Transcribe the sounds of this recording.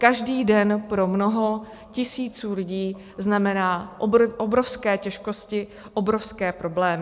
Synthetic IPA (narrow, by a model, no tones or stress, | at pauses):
kaʒdiːdɛnpɾo̞mno̞ɦo | cɪsiːt͡suːlɪɟiː | znamɛnaːʔʔobɾo̞fskɛːcɛʃko̞scɪ | ʔobɾo̞fskɛːpɾo̞blɛːmɪ